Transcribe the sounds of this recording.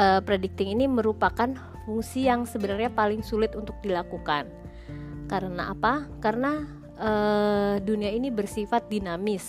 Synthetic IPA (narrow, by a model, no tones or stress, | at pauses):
ʔəpɾedik̚t̪ɪŋiniməɾupakan | fuŋsijaŋsəbənərɲapalɪŋsulɪt̪unt̪ʊk̚dilakukan | kaɾənaʔapakaɾəna | ʔəːduniainibərsifat̪̚dinamɪs